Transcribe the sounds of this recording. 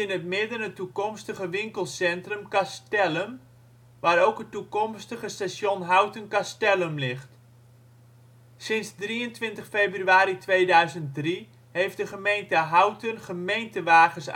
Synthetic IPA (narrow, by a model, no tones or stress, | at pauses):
ɪnət̚mɪdənətukɔmstəχəʋɪŋkəlˠsɛntrəmkastɛləm | ʋaːɾowkɦətːukɔmstəχəstasjonɦawtənkastɛləmlɪχt | sɪnsdriəntʋɪntəχfeːbryɥaːɾitʋeːdœɥzənt̚dri | hejfdəχəmejntəɦawtənχəmejntəʋaːɣəs